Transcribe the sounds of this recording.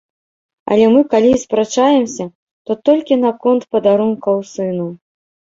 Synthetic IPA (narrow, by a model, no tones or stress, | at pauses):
ɐ̰lʲɛmɨkalʲispɾat͡ʂajɛmsʲɐ | t̪ɔt̪ɔlʲkʲinɐkɔnt̪pɐd̪aɾunkɐwsɨnu